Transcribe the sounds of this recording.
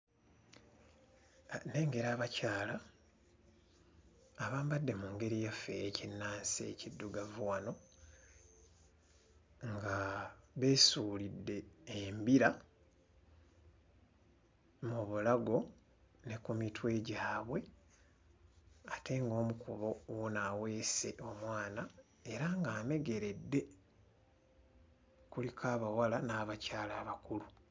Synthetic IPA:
ne̞ːŋɡe̞ɾaːβacaːla | βaːmbadːe̞muŋɡe̞ɾijafe̞ːcinːaːnse̞̰cidːuɡavuwano̞ | ŋɡaβe̞ːsuːlidːe̞ːmbiɾa | muβulaɡo̞ | ne̞kumitwe̞ːɟaːβwe̞ | atʰe̞ŋɡo̞ːmukuβo̞wonawe̞ːse̞ʔo̞mwaːna | e̞ɾaŋɡaːme̞ɡe̞ɾe̞dːe̞ | kulikʰaːβawalanaːβacaːlaːβakulu

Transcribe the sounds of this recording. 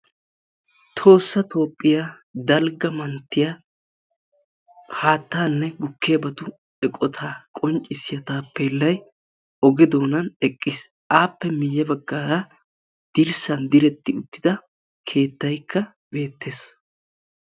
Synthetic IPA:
t̪ʰo̞ːsːɐt̪ʰo̞ːpʼːɪja | d̪ɐlɡɐmɐnt̪ːɪjɐ | haːt̪ːaːnːɛɡʊkːɪjɐbɐt̪ʊ | ɛkʼɔt̪ʰaːkʼɔnt͡ʃʼːɪsɪjɐt̪aːpːeːlːɐj | ʔɔɡɛd̪o̞ːnɐnɛkʼːɪs | ʔaːpːɛmɪjːɛbɐɡːaːɾɐ | d̪̥ɪɾsɐnd̪ɪɾɛt̪ːɪʊt̪ːɪd̪ɐ | kʰe̞ːt̪ːɐjkʰːɐ | be̞ːt̪ːeːs

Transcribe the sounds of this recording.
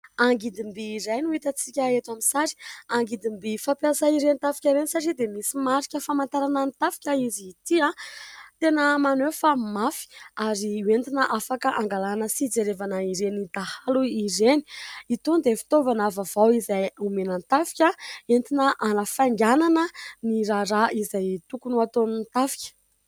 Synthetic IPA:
aŋɡid̪imbiːɾajnuit̪ət͡si̥kʲəet̪aminsaɾi̥aŋɡid̪imbifapjasaiɾenit̪afi̥kʲaɾenisaʈ͡ʂid̪emisimaɾikʲəfamant̪aɾanant̪afi̥kʲəizit̪iat̪enəmanefamafi̥aɾiwent̪inəʔafakəʔaŋɡalanəsid͡zeɾevanəiɾenid̪ahaluiɾeni̥it̪und̪efi̥t̪ovanavavawizajumenant̪afi̥kʲəent̪inəʔanəfaŋɡananəniɾaɾaʔizajt̪ukunuat̪onint̪afi̥kʲə̥

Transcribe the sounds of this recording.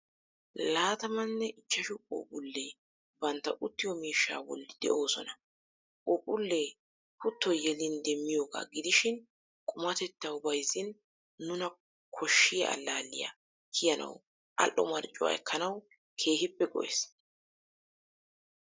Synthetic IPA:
laːt̪ɐmɐnːɛʔɪt͡ʃːɐʃʊkʼo̰ːpʼʊlːeː | bɐnt̪ːɐʔʊt̪ːɪjɔmiːʃːa̰ːwɔ̰lːɪd̪ɛ̰ʔo̞ːsɔnɐ | kʼoːpʼʊlːeː | pʊt̪ːɔjɛlɪnd̪ɛmːɪjoːɡa̰ːɡɪd̪ɪʃɪn | kʼʊmɐt̪ɛt̪ːɐwbɐjzɪn | nʊnɐ | kʰɔʃːɪjɐ̰ʔɐ̰lːaːlːɪjɐ̰ | kʰɪjɐnɐ̰w | ʔɐ̰lʔːɔmɐɾt͡ʃʼːʊwa̰ːɛkːɐnɐw | kʰe̞ːhɪpːɛɡɔ̰ʔḛs

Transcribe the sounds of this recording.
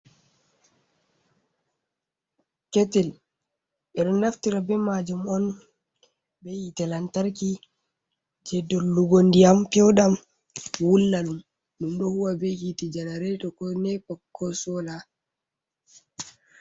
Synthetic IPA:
kɛtɛl | ɛɗɔnːaftiɾabɛmad͡ʒumɔn | bɛjitɛlantaɾki | d͡ʒɛdɔːuɡondijampɛwɗam | wulːalum | ɗumɗɔhuwabɛhitid͡ʒɛnaɾɛtɔkɔnɛpɔkʰːɔsɔla

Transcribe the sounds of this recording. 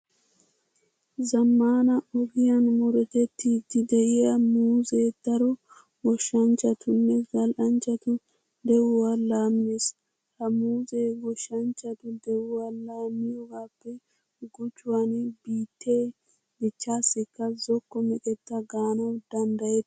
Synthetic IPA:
zɐmːaːnɐɔɡɪjɐnmɔɾɛt̪ɛt̪ːiːd̪ːɪd̪ɛʔɪjɐmuːzeːd̪̥ɐɾɔ | wɔʃːɐnt͡ʃːɐt̪ʊnːɛɡɐlʔɐnt͡ʃːɐt̪ʊ | d̪ɛwʊwalaːmɪnes | hɐmuːzeːwɔʃːɐnt͡ʃːɐt̪ʊd̪ɛwʊwalaːmːɪjɔɡaːpːɛ | ɡʊt͡ʃːʊwanbiːt̪ːe̞ː | dɪt͡ʃːaːsːɪkːɐzɔkːɔmɪkʼɛt̪ːɐɡaːnɔd̪̥ɐnd̪ɐjɛd̪

